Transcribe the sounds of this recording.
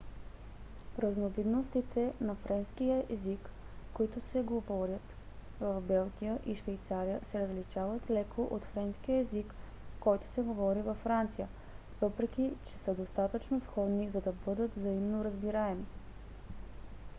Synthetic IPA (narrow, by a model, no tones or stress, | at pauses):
ɾəznovid̪nost̪it̪ʰɛnɐfɾɛnskijəʔɛzikkːoit̪ʊsɛɡovɔɾʲət̪ | vəfbɛlˠɡʲijəʔiʃvɛjt̪saɾijəsɛɾəzlit͡ʃavət̪lɛkʰoʔot̪fɾɛnskijəɛzikː | ɔjt̪o̥sɛɡovɔɾivɐfːɾant̪sijə | v̥ɤpɾɛk̟ʲit͡ʃɛ̥səd̪ost̪at̪ət͡ʃnosxɔd̪nizɐd̪ɐbɤd̪ət̪vzɐimnoɾəzbiɾaɛmi